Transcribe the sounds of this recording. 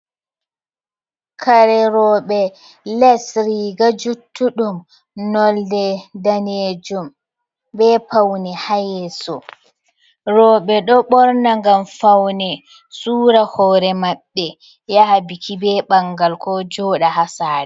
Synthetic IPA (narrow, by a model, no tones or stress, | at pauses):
kʰaɾɛɾɔɓɛ | lɛsɾiɡad͡ʒutːuɗum | nɔldɛdaneːd͡ʒum | bɛpawnɛhajɛsɔ | ɾɔːɓɛɗɔɓɔɾnaŋɡamfawnɛ | suːɾahɔːɾɛmaɓːɛ | jahabikʰibɛɓaŋɡalkɔd͡ʒɔːɗahasaːɾɛ